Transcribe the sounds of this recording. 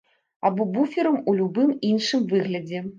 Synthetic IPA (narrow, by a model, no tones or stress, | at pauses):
abɔbufʲɛɾɐmulʲubɨminʂɨmvɨɣlʲɐd͡zʲɛ